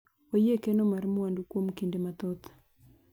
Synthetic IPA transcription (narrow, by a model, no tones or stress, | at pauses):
ojekenomarmwandukwomkindemat̪ɔt̪